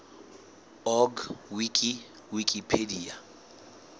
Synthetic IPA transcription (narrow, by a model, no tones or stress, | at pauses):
ɔɡwikʼi | wikʼipʰedia